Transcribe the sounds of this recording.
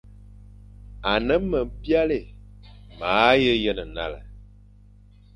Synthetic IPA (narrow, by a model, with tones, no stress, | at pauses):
a˨nə˦mə˨m˦bja˦le˨ | maː˨˦jə˦jə˦nə˨na̰˦˨lə̰˨